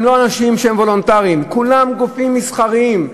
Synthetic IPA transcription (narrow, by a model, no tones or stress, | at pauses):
mlo̞anaʃimʃehemvo̞lo̞nt̪aʁiimkulamɡofimːisχaʁiim